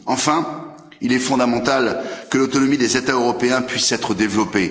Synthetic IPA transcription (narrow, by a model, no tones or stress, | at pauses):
ɑ̃fɛ̃ | ilɛfɔ̃d̪amɑ̃t̪alkəlot̪ɔnɔmid̪ezet̪aøʁɔpeɛ̃pɥisɛt̪χəd̪evlɔpe